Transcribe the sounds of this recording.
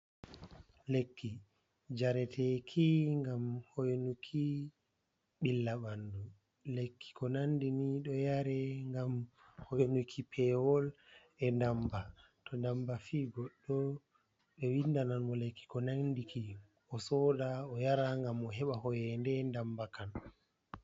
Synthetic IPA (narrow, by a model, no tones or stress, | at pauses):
lekːi | d͡ʒaɾɛtʰɛkʰiŋɡamhojnukʰi | ɓilːaɓandu | lekʰːi̥kɔnandiniɗɔjaɾɛŋɡam | honukʰipʰɛwɔl | ɛndamba | tɔndambafiːɡɔɗːɔ | ɓɛwindananmɔlekːi̥kɔnandikʰi | ɔsɔdaɔjaɾaŋɡamɔɦɛɓahɔjɛndɛndambakʰan